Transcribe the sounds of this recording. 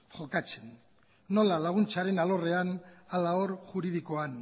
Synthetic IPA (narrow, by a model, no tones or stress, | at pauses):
ʝo̞kat͡se̞nː | o̞lalaɣ̞unt͡saɾe̞nalo̞re̞analao̞ɾʝuɾið̞iko̞an